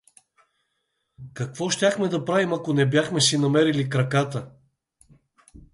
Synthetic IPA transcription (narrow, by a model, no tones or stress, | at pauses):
kɐkvɔʃt̪ʲaxmɛd̪ɐpɾavimɐkonɛbjaxmɛsinɐmɛɾilikɾɐkat̪ə